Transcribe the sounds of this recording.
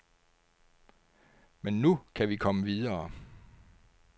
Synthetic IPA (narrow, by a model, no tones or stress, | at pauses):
menːukʰæʋikʰɒ̽məʋiðˠɐː